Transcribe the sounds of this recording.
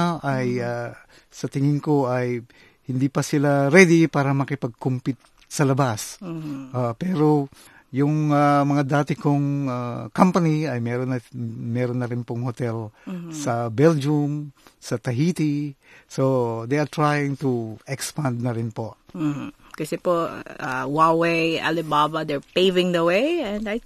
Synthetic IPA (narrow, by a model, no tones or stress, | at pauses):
ʔaja | sɐt̪ɪŋɪnkoʔaj | hɪnd̪ipɐsɪlaɾɛd̪ipaːɾɐmɐkɪpɐɡ̚kʊmpɪt̪̚ | sɐlɐbasʔapɛːɾo | jʊŋamɐŋad̪aːt̪ɪkoŋakampɐniɐjmɛɾonmɛɾonːɐɾɪnpoŋhot̪ɛlsɐbɛld͡ʒʊmsɐt̪ɐɦiːt̪isod̪ejɐɾt̪ɹajɪŋt̪uʔɛkspand̪̚nɐɾɪnpo | kɐsɛpoa̰waweja̰lɪbabɐd̪ɛɹpejvɪ̃ŋd̪ɐwejɛ̃nd̪aj